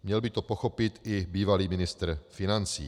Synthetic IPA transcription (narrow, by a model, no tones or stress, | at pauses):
mɲɛlbɪt̪opoxo̞pɪt̪ʔɪbiːvaliːmɪnɪst̪r̩fɪnant͡sḭː